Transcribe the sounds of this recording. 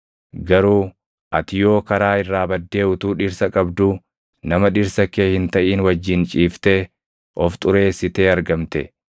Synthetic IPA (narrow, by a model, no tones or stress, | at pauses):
ɡɐɾuː | ʔɐt̪ɪjo̞ːkɐɾaːɪrːaːbɐd̪ːe̞ːʊt̪uːᶑɪɾsɐkʼɐbd̪uː | nɐmɐᶑɪɾsɐkeːhɪnt̪ɐʔiːnwɐd͡ʒːɪnt͡ʃʼiːft̪eː | ʔɔft̪ʼʊɾe̞ːsːɪt̪e̞ːɐɾɡɐmt̪ɛ̰